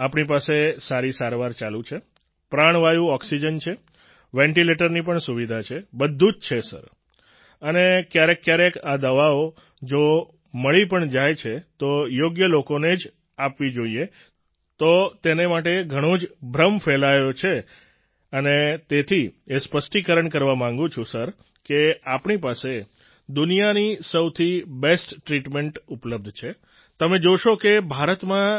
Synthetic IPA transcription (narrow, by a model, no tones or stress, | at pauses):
apɳipasesaɾisaɾʋaɾt͡ʃalũt͡ʃʰe | pɾaɳ̃ʋajũɔksid͡ʒənt͡ʃʰe | ʋɛ̃ɳʈileʈəɾnip̬əɳsuʋid̪ʱat͡ʃʰebəd̪ʱːũd͡ʒt͡ʃʰesə̰ɾ | ənekjaɾekːjaɾekad̪əʋao | d͡ʒo | məɭipəɳd͡ʒajt͡ʃʰet̪ojoɡjəlokoned͡ʒ | apʋid͡ʒoie | t̪ot̪enemaʈeɡʱəɽ̃od͡ʒbʱɾəmfelaelot͡ʃʰe | ənet̪et̪ʰiespəsʈikəɾəɳkəɾʋamãŋɡũt͡ʃʰũsəɾ | keapɳipase | d̪unijanisəwt̪ʰibesʈːɾiʈmeɳʈupləb̚d̪ʱt͡ʃʰe | t̪əmed͡ʒoʃokebʱaɾət̪mã